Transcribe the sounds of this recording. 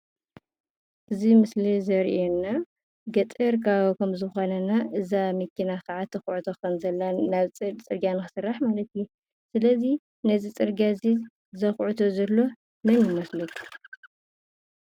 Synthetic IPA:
ʔɨzimɨslizɐɾḭʔonːa | ɡɐt̪ʼɨɾkʰaβkʰɐmzɨxo̞nɐnaʔɨzamɨkʰːinakaʕat̪ʰɐxʕut̪ʰokɐnzɐlːanaβt͡sʼɨɾɡanɨxɨsɨrːaħmalɐt̪ju | sɨlɐzi | nɐzit͡sʼɨɾɡazi | zɐxʕut̪ʰozɐlːo̞ | mɐnjɪmɐslɐkʰu̥

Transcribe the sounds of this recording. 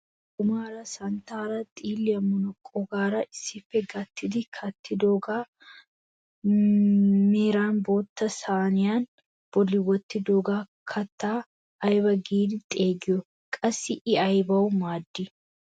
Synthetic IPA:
ʔʊmaːɾɐsɐnt̪aːɾɐt̪ʼiːlːɪɐmʊnɔkʼːɔɡaːɾɐʔɪsɪfːɛɡɐt̪ːɪd̪ɪkʰɐt̪ːɪd̪oɡaː | meːɾaːnbo̞ːt̪ːɐsaːnɪjaːn | b̥ɔlɪwːɐt̪ːɪd̪oːɡaː | kʰɐt̪ːaː | ɐjbɐɡiːd̪ɪt̪ʼeːɡɪɔ | kʼɐsɪʔɪɐjbɐʊmaːd̪ːi

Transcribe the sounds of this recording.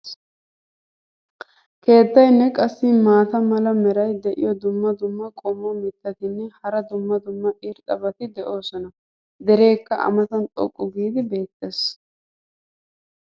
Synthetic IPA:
ke̞ːt̪ːɐjnːɛkʼɐsːɪmaːt̪ɐmɐlɐmɛɾɐjd̪ɛʔɪ̰jɔd̪ʊmːɐd̪ʊmːɐkʼɔmːɔmɪt̪ːɐt̪ɪnːɛhɐɾɐd̪ʊmːɐd̪ʊmːɐʔɪɾt̪ʼɐbɐt̪ɪd̪ɛʔo̞ːsɔnɐ | d̪ɛɾe̞ːkːɐʔɐ̰mɐt̪ɐnt̪ʼɔ̰kʼːʊɡiːd̪ɪbe̞ːt̪ːeːs

